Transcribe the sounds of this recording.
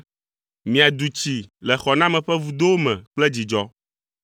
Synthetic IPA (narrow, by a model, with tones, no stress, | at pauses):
mĩ˨a˨d̪u˨t͡ɕi˨lɛ˨xɔ˨nã˦mɛ̃˨ɸɛ˦vu˨d̪o˦wo˦mɛ̰̃˨k͡plɛ˦d͡ʑi˨d͡ʒɔ˨